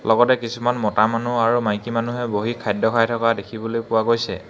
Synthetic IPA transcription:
lɔɡɔtɛkisumanmɔtamanuaɹumajkimanuɦɛboɦikʰːajdɔkʰajtʰɔkadekʰibolojkpʊwaɡojsɛ̰

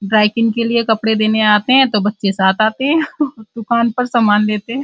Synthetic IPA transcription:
ɖɾaːɪkɪ̃ŋɡkeliekɐpɽed̪eːneaːt̪eɦɛ̃t̪obɐtːʃesaːt̪ʰaːt̪eɦɛ̃ɔd̪ʊkaːnpɐɾsamaːnleːt̪eɦɛ̃

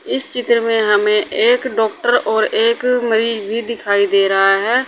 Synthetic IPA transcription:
ɪst͡ʃɪt̪ɾmẽːɦəmẽːʔeːkɖɔːk̚ʈəɾɔːɾeːkməɾiːzbʱiːd̪ɪkʰaːid̪eːɾəɦaɦɛː

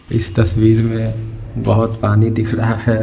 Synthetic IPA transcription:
ɪst̪ɐswiːɾmẽ | bɐɦʊt̪paːnid̪ɪkʰɾɐɦahɛː

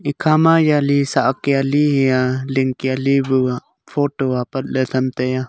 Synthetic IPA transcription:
ikʰamajalisaʔkialiɦijaliŋkialibua | fʰoːʈoapɐt̪̚lɛt̪ʰɐmt̪eja

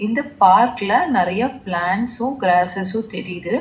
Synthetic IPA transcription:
ɪnd̪ɐpaːɾʈɪlɐnɪɾɐjɐplaːɳsʊ̃ɡɾaːsɛsʊ̃t̪ɛɾɪjðɯ

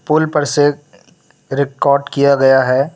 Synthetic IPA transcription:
pʊlpɐɾse | ɾɪkɔːɾɖkijaɡɐjaɦɛː

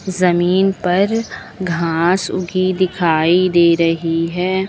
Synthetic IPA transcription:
zɐmiːnpɐɾ | ɡʱaːsʊ̰ɡid̪ɪkʰaːid̪eːɾɐɦiɦɛː

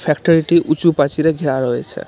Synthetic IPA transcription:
pʰekʈɔɾiʈiʔut͡supat͡siɾʌɡʱiɾaɾʌɦet͡sʰʌ̰

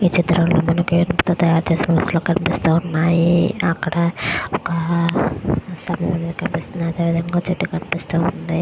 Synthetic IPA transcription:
iːt͡ʃit̪ɾɐlnimːɐnɐkuenupt̪oːt̪ɐjaːɾut͡ʃeːsinɐʋɐɾsloːkɐnipist̪uːunːaːjiɐkːɐɽɐɔkɐ | sɐmɐjɐmɐnɐnikɐnipist̪und̪iɐd̪eːʋid̪ʱɐŋɡaːt͡ʃeʈːukɐnipist̪uund̪i

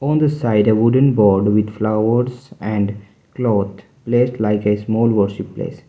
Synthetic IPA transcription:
ɔ̃ːnd̪əsaɪɖəʋʊɖə̃nbɔːɾɖʋɪd̪flaʊəɾzɛ̃ɳɖ | klɔːt̪ʰ | pleːsʈlaɪkesmɔːlʋəɾʃɪpːlḛːs

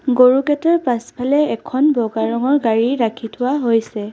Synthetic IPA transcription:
ɡoɹukɛtaɹpaspʰalɛɛkʰɔnbɔɡaɹɔŋɔɹɡaɹiɹakʰitʰʊwaɦojsɛ

